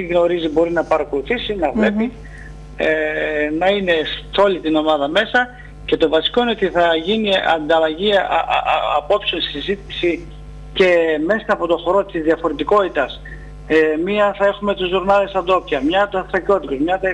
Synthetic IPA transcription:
iɣno̞ɾizibo̞ɾinɐpɐɾɐko̞luθisinɐvle̞pi | nɐine̞so̞lit̪ino̞mɐðɐme̞sɐ | ce̞t̪o̞vɐsi̥ko̞ineot̪iθɐʝiniɐ̰nd̪ɐlɐʝi | ɐpo̞psio̞nssizit̪i̥si | ce̞me̞sɐːpo̞t̪o̞xo̞ɾo̞t̪izðiɐfo̞ɾet̪iko̞t̪it̪ɐs | miɐθɐe̞xume̞t̪uzːuɾnɐlesɐd̪o̞pcɐmɲɐt̪usɐθɾɐco̞t̪it̪ozmɲɐ

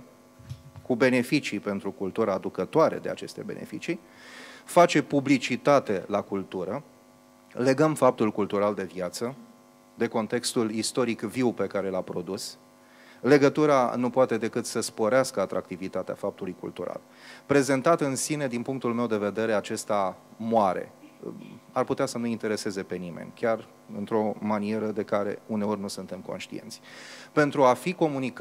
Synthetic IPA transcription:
kube̞ne̞fit͡ʃipe̞nt̪ɾukult̪uɾaːd̪ukət̪oaɾe̞̰d̪e̞at͡ʃe̞st̪e̞be̞̰ne̞̰fit͡ʃi | fat͡ʃe̞publit͡ʃit̪at̪e̞lakult̪uɾə | le̞ɡəmfap̚t̪ulkult̪uɾald̪e̞vjat̪sə | d̪e̞ko̞nt̪e̞kst̪ulist̪o̞ɾikviwpe̞kaɾe̞lapɾo̞d̪us | le̞ɡət̪uɾanupoat̪e̞d̪e̞kɨt̪səspo̞ɾeaskəat̪ɾak̚t̪ivit̪at̪ea̰fap̚t̪ulujkṵlt̪uɾa̰l | pɾe̞ze̞nt̪at̪ɨnsined̪inpuŋk̚t̪ulme̞wd̪e̞ve̞d̪e̞ɾe̞at͡ʃe̞st̪amoaɾḛ | arput̪easənuint̪e̞ɾe̞se̞ze̞pe̞nimḛnʲkʲar | ɨnt̪ɾo̞manie̞ɾəd̪e̞kaɾe̞̰une̞o̞rʲnusunt̪e̞mko̞̰nʃt̪ḭe̞̰nt̪sʲpe̞nt̪ɾuafiko̞munik

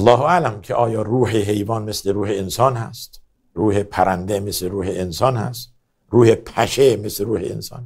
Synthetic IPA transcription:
lːɒːɦoælæmkʲʰeʔɒːjɒːruːheɦe̞jvɒːnmesleɾuːheːnsɒːnhæ̰st̪ | ruːhepʰæɾænd̪emesleɾuːheːnsɒːnhæ̰st̪ | ɾuːhepʰæʃemesleɾuːhḛḛnsɒ̰ːn

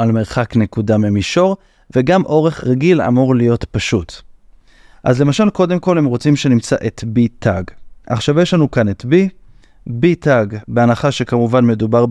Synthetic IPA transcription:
alme̞ʁχakne̞kudamemiʃo̞ʁ | veɡamʔo̞ʁe̞χʁaɡila̰moʁlijo̞tpaʃut | ʔazle̞maʃalko̞de̞mko̞lhemʁot͡simʃe̞nimt͡saʔetbitʰaɡʔa̰χʃavjeʃlanukanet̪bi | bitaɡbeanaχaʃe̞kamuvanme̞dubaʁ

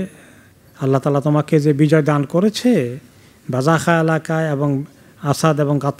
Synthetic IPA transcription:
alːat̪aːlat̪omaked͡ʑebid͡ʑɔed̪ankoɾet͡ɕʰe | bazaxaelakaeeboŋ | asad̪eboŋɡat̪ː

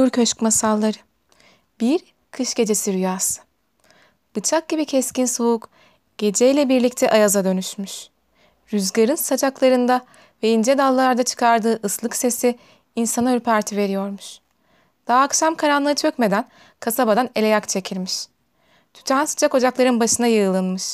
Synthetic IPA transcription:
uɾcʰøʃkmasalˠːaɾɯ | biɾ | kʰɯʃɟ̥e̞d͡ʒe̞siɾyjasɯ̥ | b̥ɯt͡ʃʰak̚ɟibicʰɛscinsouk | ɟ̥e̞d͡ʒɛjlʲɛbiɾlʲic̚t̪ʰɛʔajazad̪ø̞nyʃmyʃ | ɾyzɡaɾɯnsad͡ʒaklˠaɾɯnd̪a | vɛind͡ʒɛd̪alˠːaɾd̪at͡ʃʰɯ̥kʰaɾd̪ɯːʔɯslˠɯkse̞si | insanøɾpʰaɾt̪ʰive̞ɾijo̞ɾmuʃ | d̪̥aːkʃamkʰaɾanlˠɯɯt͡ʃʰøcme̞d̪æn | kʰasabad̪ane̞lʲe̞jakt͡ʃʰe̞cʰilʲmiʃ | t̪ʰy̥t̪ʰansɯ̥t͡ʃʰako̞d͡ʒaklˠaɾɯnbaʃɯnajɯɯlˠɯnmɯʃ

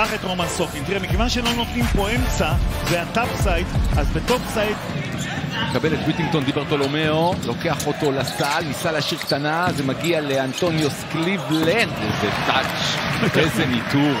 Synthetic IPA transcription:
aχet̪ʁomansokimt̪iʁemikevanʃelo̞not̪nimpo̞emt͡sazeat̪apsajt̪azbet̪opsajt̪ | mmekabelet̪wit̪ĩŋɡ̚t̪o̞nd̪ibeʁt̪olo̞meolo̞ke̞aχo̞to̞lasalmisalaʃiʁkt̪anazemaɡialeant̪o̞njosklivlenezetat͡ʃezenituʁ

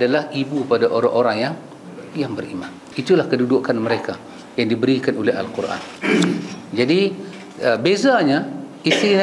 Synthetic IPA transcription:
adalahibupadaʔoɾa̰ŋʔoɾaŋjaŋ | jaŋbərḭman | it̪ulahkədudʊʔkanməɾeka | jaŋdibəɾikanoleɦa̰lkuɾʔa̰n | d͡ʒadi | əbezaɲa | ist̪i

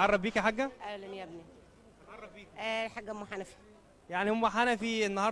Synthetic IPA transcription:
ɑrˤːɑbbiːkiħaɡːæʔælenjæbni | ɑrˤːɑbbiːkʔæħaɡːæmoħanæfi̥ | jaʕnihomːæħanæfienːɑɦhɑːɾ

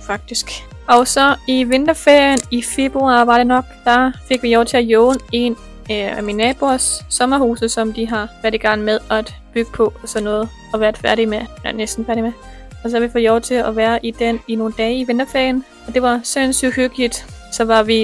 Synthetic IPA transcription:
fɑ̈ɡ̥̚d̥isɡ̥ | ɒ̽sɒ̽iʋe̝nd̥ɐfeɐjənife̝b̥ʁuɑ̰̈ːʋɑ̈ɾe̝nɒ̽ɡ̥̚d̥ɑfe̝ɡ̥ʋijɒʊt͡sʰe̝læjɔʊnəe̝n | minɛːb̥o̝ɐsːɒ̽mɐhuːsðəsɒ̽md̥iɦɑ̈ʋæɐd̥iɡ̥ɑ̈ŋ̰n̩með̞ˠɒd̥b̥yɡ̥ə̥pʰɒ̽ɒsɒ̽nːɔ̽ːð̩ˠ | ɒ̽ʋæːɐd̥ˠfæɐɾimenesd̥n̩fæɐɾ̥ime | ɒ̽s̬ɒhɑʋifo̰jɒʊt͡sʰe̝læʋæːɐʔid̥enino̝ːnd̥ɛːiʋe̝nd̥ɐfeɐjən | ɒ̽d̥e̝ʋɑ̈sensy̥høɡ̥lid̥sɒ̽ʋɑ̈ʋi

